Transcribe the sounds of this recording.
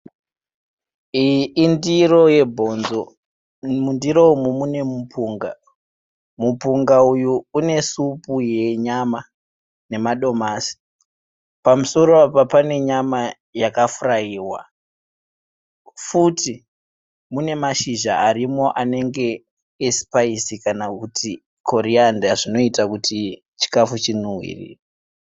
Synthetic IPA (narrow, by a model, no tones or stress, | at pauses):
iːndiro̞je̞bʱo̞nzo | mundiɾoumumune̞mupʰuːŋɡa̰ | mupuŋɡaujuune̞supuje̞ɲama | ne̞maɗo̞masi̥ | pamuso̞ɾoapapane̞ɲama | jakafurajiːwa̰ | futi | mune̞maʃiʒaːɾimo̞ʔane̞ŋɡe̞ː | spaisikanakutʰi | kʰo̞ɾiandaʐino̞itakuti | t͡ʃi̥kafut͡ʃinuwḭrḭːra